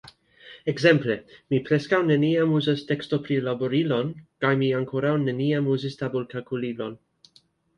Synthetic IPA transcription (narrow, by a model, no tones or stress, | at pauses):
ekzemplemipɾeskawneniamuzastekstopɾilaboɾilonkajmiaŋkʰoɾawneniamuzist̪abulkalkulilon